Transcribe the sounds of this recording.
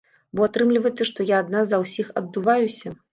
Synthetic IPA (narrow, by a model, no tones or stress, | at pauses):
bɔat̪ɾɨmlʲivɐjt̪ːɨʂt̪ɔjaːd̪nazɐwsʲixɐd̪ːuvajusʲɐ